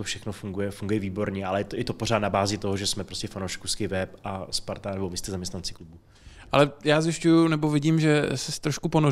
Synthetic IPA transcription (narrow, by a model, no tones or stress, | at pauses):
t̪ofʃɛxnofuŋɡujɛfuŋɡujɛviːbo̞ɾɲɛʔalɛɛt̪jɛt̪o̞por̝aːt̪nabaːzɪt̪o̞ɦoʒɛsmɛpɾo̞stcɛfanowʃkuskɪvɛpʔaspaɾt̪anɛbo̞vɪst̪ɛzamɲɛst̪nant͡sɪ̥klubu | ʔalɛjaːzjɪʃcujunɛbovɪɟiːmʒɛsɛst̪ɾoʃkupo̞no